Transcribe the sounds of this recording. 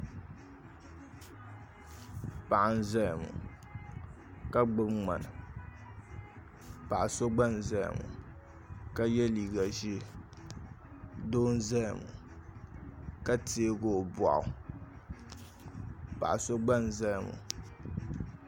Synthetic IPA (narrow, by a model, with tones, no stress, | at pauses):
pa˨ʔa˨n̩˦za˦jmṵ˨ | ka˦ɡ͡bɨ˦mŋ͡ma̰˨nɨ˨ | pa˨ʔa˨so˦ɡ͡ba˦n˨za˦j̰mṵ˨ | ka˦jɛ˦liː˨ɡa˨ʒi˦ | doː˦n̩˦za˦˨mṵ˨ | ka˦te˦e˦ɡo˦˨ba̰˨ʔʊ̰˨ | pa̰˨ʔso˦ɡ͡ba˦n˨za˦jmṵ˨